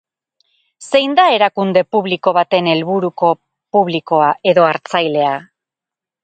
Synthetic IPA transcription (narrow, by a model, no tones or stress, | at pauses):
se̞jnd̪ae̞ɾakund̪e̞puβliko̞β̞at̪e̞ne̞lβuɾuko̞ | puβliko̞aʔe̞ðo̞aɾt͡sajle̞a